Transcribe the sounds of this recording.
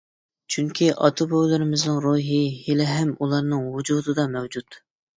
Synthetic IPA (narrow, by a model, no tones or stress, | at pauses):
t͡ʃʰyŋkʲʰiʔɑ̰t̪ʰobowlˠɨɾɪmɪznɨŋɾuɦɪhilɪɦɛmulˠɑɾnɨŋwud͡ʒuːd̪ɨd̪ɑmɛwd͡ʒut̪